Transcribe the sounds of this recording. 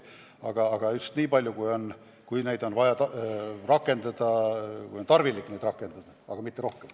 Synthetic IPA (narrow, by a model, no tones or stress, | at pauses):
ɑɡ̥ɑːɡ̥ɑyst̪niːpɑlʲjukujo̞n | kujne̞jd̪o̞nvɑjɑt̪rɑkːˑe̞nd̪̥ɑd̪̥ɑkujont̪ɑrvilikːne̞jd̪̥rɑkːˑe̞nd̪̥ɑd̪̥ɑɑ̰ɡ̥ɑmit̪ːeɾo̞hkem